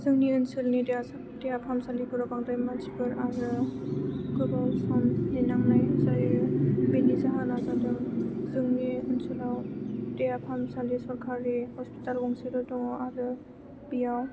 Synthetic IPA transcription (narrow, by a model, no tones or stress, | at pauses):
zɯŋniɯnsɯlnidejas | dejapʰamsalikʰuɾɔbaŋd̪ajmad͡ʒibɯɾaɾɯ | kɯbalsamninaŋnajsaibinizaɦanazadɯŋzɯŋniɯnsulawdejapʰamsalisɔɾkʰaɾihɔspi̥talɡɔŋsɯɾɯdɔaɾɯ | bijaw